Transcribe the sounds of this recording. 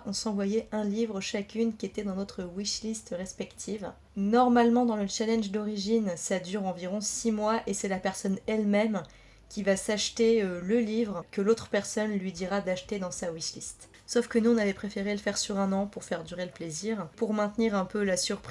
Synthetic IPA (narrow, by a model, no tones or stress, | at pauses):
ɔ̃sɑ̃vwajɛʔɛ̃livʁəʃakʲynkʲiet̪ɛd̪ɑ̃not̪χəwiʃlist̪ʁɛspɛkt̪ʰiv | nɔʁmalmɑ̃d̪ɑ̃lət͡ʃalɛ̃nʒd̪ɔʁiʒinsad̪yʁɑ̃viʁɔ̃simwaʔesɛlapɛʁsɔnɛlmɛm | kʲivasaʃt̪eøləlivʁkəlot̪χə̥pɛʁsɔnlɥid̪iʁad̪aʃt̪ed̪ɑ̃sawiʃlist̪ | sofkənuɔ̃navɛpχefeʁeləfɛʁsyʁɛ̃nɑ̃puʁfɛʁd̪yʁeləpleziʁpuʁmɛ̃t̪niʁɛ̃pølasyʁpχ